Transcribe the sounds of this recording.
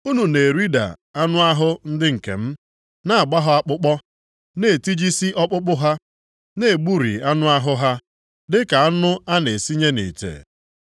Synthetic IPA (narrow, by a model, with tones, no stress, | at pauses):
u˦nu˨ne˨ɾi˦da̰˨a˦nʊ˦a˦ɦʊ˦n̩˦dɪ˦ŋ̩˨kḛ˨m̩˦ | na˦a˨ɡ͡ba˦ɦʊ˦a˦k͡pʊ˦k͡pɔ˦ | ne˨ti˦d͡ʒi˦si˦ʔɔ˦k͡pʊ˦k͡pʊ˦ɦa˦ | ne˦˨e˨ɡ͡bu˦ɾḭ˨a˦nʊ˦a˦ɦʊ˦ɦa˦ | dɪ˦ka˨a˦nʊ˦a˦ne˨si˦ɲe˦nḭ˨tḛ˨